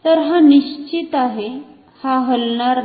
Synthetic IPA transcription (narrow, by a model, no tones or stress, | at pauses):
t̪əɾɦaniɕt͡ɕit̪aɦe | haɦəlɳaɾ